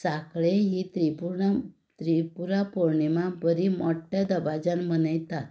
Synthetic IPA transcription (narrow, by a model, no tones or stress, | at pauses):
sakɭeɦit̪ɾipuɾ | t̪ɾipuɾapoɾɳimãbəɾimɔʈːjad̪əbad͡ʑanmənajt̪at̪